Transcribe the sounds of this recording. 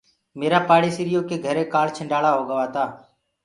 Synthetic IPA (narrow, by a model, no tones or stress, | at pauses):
meːɾaːpaːɽiːsɪɾɪjoːkeːɡʱəɾeːkaːɭt͡ʃʰɪɳɖaːɭaːɦoːɡəʋaːt̪aː